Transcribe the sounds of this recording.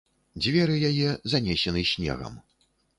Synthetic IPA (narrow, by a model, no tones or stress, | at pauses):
d͡zʲvʲɛɾɨjajɛzanʲɛsʲɛnɨsʲnʲɛ̰ɣɐ̰m